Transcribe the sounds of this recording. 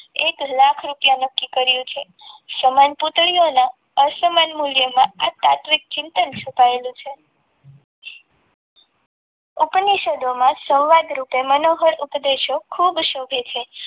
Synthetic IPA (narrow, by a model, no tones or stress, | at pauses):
eklakʰɾupjãnəkːikəɾjũt͡ʃʰe | səmanput̪ɭiona | əsəmanmuljəmãat̪a̰t̪ʋik̚t͡ʃɪnt̪ənt͡ʃʰupaelũt͡ʃʰe | upniʃəd̪ʱomãsə̃wʋad̪ɾupemənoɦəɽupd̪eʃokʰubʃobʱet͡ʃʰe